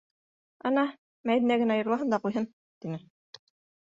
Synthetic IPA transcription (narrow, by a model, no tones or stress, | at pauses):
ɑnɑ | mæjðɘ̆næɡɘ̆næɑjɤ̆ɾlˠɑɦɤnd̪ɑqujɦɤn | t̪inɘ